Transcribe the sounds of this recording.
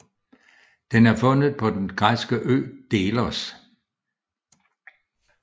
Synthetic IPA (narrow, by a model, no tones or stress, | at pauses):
d̥enæɐfɔ̽nəð̩ˠpʰɒ̽d̥enɡ̥ʁasɡ̥əʔø̰ːd̥e̝ːlɐs